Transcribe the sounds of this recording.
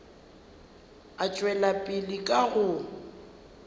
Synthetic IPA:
at͡ʃʼwɛlapʼɪlikʼaɣʊ

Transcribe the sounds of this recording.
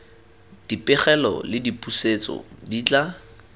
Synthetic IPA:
d̥ipʼɪχɛlɔ̰lɪdipʼuset͡sɔ̰diːt͡ɬʼa

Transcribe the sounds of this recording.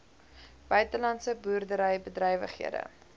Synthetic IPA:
b̥œɥtəlɐntsəbuːrdəɾəjbədrɛjvə̰χɦḭədə̰

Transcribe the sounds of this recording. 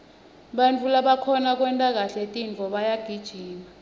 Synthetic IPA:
ɓant͡fʰulaɓakʰɔnak̬wɛntʼak̬aɬɛtʼind͡ɮʱɔɓajaɡ̥ʱid̥ʒ̥ʱiːma

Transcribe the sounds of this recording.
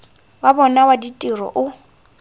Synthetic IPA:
wabɔnawaditʼirɔ̰ʔʊ

